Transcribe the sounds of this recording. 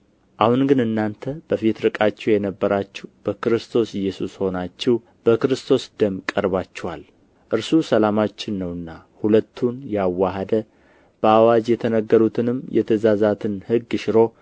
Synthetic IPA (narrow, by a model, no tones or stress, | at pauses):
ʔahunɡɨnɨnːant̪ʰəb̥əfit̪ɾɨkʼat͡ʃːɛwjɛnəbːəɾat͡ʃːɪhb̥əkɨɾɨst̪ʰo̞sɪjːɛsusho̞nat͡ʃːɪhw | b̥əkɨɾɨst̪ʰo̞sd̪əmkʼəɾβat͡ʃːɛwal | ʔɨɾsusəlamat͡ʃːɪnːəwɨnːahulət̪ʰːunjawːaɦəd̪ə | b̥əawad͡ʒjɛt̪ʰənəɡːəɾut̪ʰɨnɨmːjɛ̰t̪ʰəzazat̪ʰɨnhɨɡːɨʃɾo̞